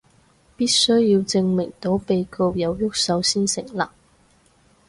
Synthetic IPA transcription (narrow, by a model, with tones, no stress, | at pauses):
piː˥t̚sɵ˥ɥːiː˧wt͡sɪ˧ŋmɪ˨˩ŋt̪o˨˥wpe˨˧jko˧wjɐ˨˧wjʊ˥k̚sɐ˨˥wsiː˥nsɪ̰˨˩ŋlaː˨˩